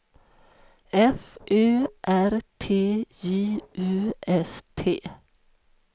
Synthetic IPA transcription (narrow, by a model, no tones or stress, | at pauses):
ɛfʔøːʔæɾt̪ʰeːjiːʔʉːʔɛst̪ʰeː